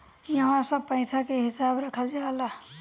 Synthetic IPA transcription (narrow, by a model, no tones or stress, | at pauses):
jəɦãsəbpəɪsakeɦɪsaːbɾəkʰəld͡ʒala